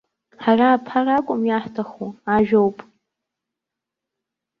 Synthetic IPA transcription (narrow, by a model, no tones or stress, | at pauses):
ħaraːpʰarakʷʼʊmjaħtʰaχuaʒᶣowpʼ